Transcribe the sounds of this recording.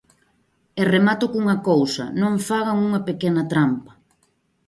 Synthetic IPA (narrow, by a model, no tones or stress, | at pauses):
eremat̪ʊkuŋɐkowsɐ̰nõɱfaɣaŋuŋɐpekɛnɐt̪ɾampɐ̥